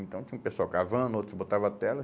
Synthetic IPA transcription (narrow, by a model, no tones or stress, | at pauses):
ẽnt̪ɐ̃w̃t͡ʃĩũpesʊawkavɐ̃nʊot̪ɾbot̪avɐat̪ɛlɐ